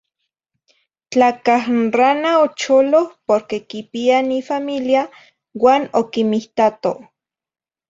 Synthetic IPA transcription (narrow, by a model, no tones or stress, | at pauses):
t͡ɬakahranaot͡ʃolohpoɾkekipianifamilja | waːnokimiht̪at̪o